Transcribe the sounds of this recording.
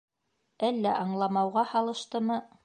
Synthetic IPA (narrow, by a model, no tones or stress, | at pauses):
ælːæʔɑɴlˠɑmɑwʁɑhɑlˠɤ̆ʃt̪ɤmɤ